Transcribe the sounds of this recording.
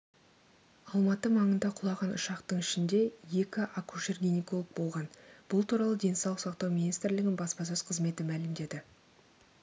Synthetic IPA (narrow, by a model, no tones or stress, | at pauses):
ɑlˠmɑt̪əmɑɴənd̪ɑqʰʊlˠɑʁɑnʊ̰ʃɑqt̪əɴɪʃɪnd̪e̞je̞kʲɪʔakuʃerɡʲiniko̞lˠək̚bo̞lˠʁɑnb̥ʊlˠt̪ʰuɾɑlˠəd̪e̞nsɑwlˠəqsɑqt̪ɑwmʲinijst̪ɾlɪɡʲɪnbɑspɑsøzqʰəzme̞t̪ɪmælɪmd̪e̞d̪ɪ